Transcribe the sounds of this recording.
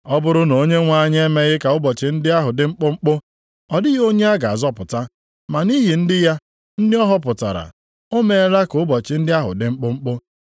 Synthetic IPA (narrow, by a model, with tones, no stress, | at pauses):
ɔ˦bʊ˦ɾʊ˦no˦ɲe˦ŋʷa˦˨ɲ˦e˦me˦ɣɪ˦ka˨ʊ˦bɔ˨t͡ʃɪ˨n̩˦dɪ˦a˦ɦʊ˨dɪ˦ŋ͡m̩˦k͡pʊ˦ŋ͡m̩˦k͡pʊ˦ | ɔ˨dɪ˦ɣo˦ɲe˦a˦ɡa˨a˨zɔ˦pʊ˨ta˦ | ma˨ni˦ɦi˨n̩˦dɪ˦ja˦ | n̩˦dɪ˦ɔ˦ɦɔ˦pʊ˨ta̰˨ɾa̰˨ | o˦me˨e˦ɾa˦kʊ˦bɔ˨t͡ʃɪ˨n̩˦dɪ˦a˦ɦʊ̰˨dɪ˨ŋ͡m̩˦k͡pʊ˦ŋ͡m̩˦k͡pʊ˦